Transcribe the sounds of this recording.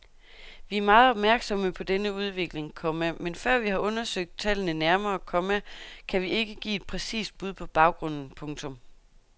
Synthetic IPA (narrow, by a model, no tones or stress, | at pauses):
ʋiæɐmɑ̈ːð̞̩ˠɒb̥mæɐɡ̥sɒ̽məpʰɒ̽d̥enəuð̞ˠʋe̝ɡ̥le̝ŋkʰɒ̽məmenfɶɐ̰ʋihɑ̈ʔɔ̽nɐsøɡ̥̚d̥̚t͡sʰɛlənənæɐmɐːkʰɒ̽mækʰæʋie̝ɡ̥əɡ̥ḭːe̝d̥̚pʰʁɛsḭːsd̥̚b̥uð̞̰ˠpʰɒ̽b̥ɑ̈ʊɡ̥ʁɔ̽n̰n̩pʰɔ̽ŋt͡sʰɔ̽m